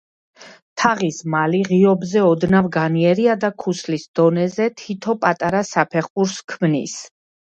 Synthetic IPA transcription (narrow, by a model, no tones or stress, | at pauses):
t̪ʰaʁismaliʁiɔbzɛɔd̪navɡaniɛɾiad̪akʰuslisd̪̥ɔnɛzɛt̪ʰit̪ʰɔpʼat̪ʼaɾasapʰɛχbuɾskʰmnḭs